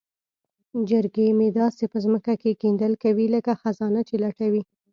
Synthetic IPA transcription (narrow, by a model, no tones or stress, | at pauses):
d͡ʒɪɾɡemed̪ɑsepəzməkakekend̪əlkawiləkaxazɑnat͡ʃelaʈawi